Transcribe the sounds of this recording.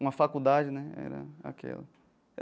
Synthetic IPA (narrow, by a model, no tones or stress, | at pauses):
ũmɐfakud̪ad͡ʒɪnɛɛɾɐ̰a̰kɛ̰lɐ | ɛ